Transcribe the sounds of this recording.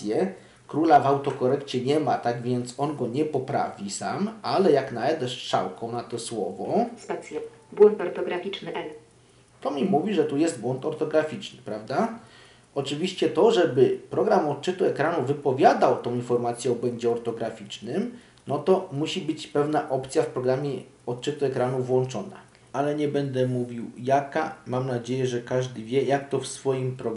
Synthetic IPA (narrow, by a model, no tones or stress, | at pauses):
sʲjɛ | kɾulavawt̪ɔkɔɾɛkt͡ɕɛɲɛmat̪aɡvʲjɛnt̪sɔnɡɔɲɛpɔpɾa̰vʲisa̰malɛjaknaɛd̪ɛʂʂa̰wkɔ̃w̃nat̪ɔswɔ̰vɔspɛt̪sʲjɛbwɔnt̪ɔɾt̪ɔɡɾafʲit͡ʂnɘʔɛl | t̪ɔmʲimuvʲiʐɛt̪ujɛsd̪̚bwɔnt̪ɔɾt̪ɔɡɾafʲit͡ʂnɘ̥pɾavd̪a | ʔɔt͡ʂɘvʲiɕt͡ɕɛt̪ɔʐɛbɘpɾɔɡɾamɔt̪t͡ʂɘt̪uɛkɾanuvɘpɔvʲjad̪awt̪ɔ̃w̃infɔɾmat̪sʲjɛɔbwɛɲd͡ʑɛɔɾt̪ɔɡɾafʲit͡ʂnɘm | nɔt̪ɔmuɕibɘt͡ɕpɛvn̪aʔɔpt̪sʲjafpɾɔɡɾamʲjɛ | ɔt̪t͡ʂɘt̪uɛkɾanuvwɔnt͡ʂɔna̰ | alɛɲɛbɛnd̪ɛmuvʲiwjakamamnad͡ʑejɛʐɛkaʐd̪ɘvʲjɛjak̚t̪ɔfsfɔjimpɾɔɡ